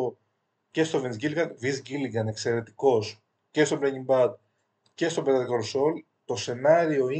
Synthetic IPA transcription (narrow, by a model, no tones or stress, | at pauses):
o | ce̞st̪o̞venzɡilɡɐnvizɟiliɡɐne̞kse̞ɾe̞t̪i̥ko̞s | ce̞st̪o̞blɐɲimbɐd̪̚ | ce̞st̪o̞bet̪ɐkoɾso̞l | t̪o̞se̞nɐɾio̞i